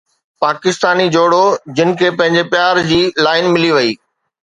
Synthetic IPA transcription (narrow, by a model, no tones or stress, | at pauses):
paːkɪst̪aːnid͡ʑoːɽod͡ʑɪnɪ̆kʰeːpɐ̃ɦɪ̃ɲd͡ʑepjaːɾd͡ʑiːlaːɪnmɪliʋɐiː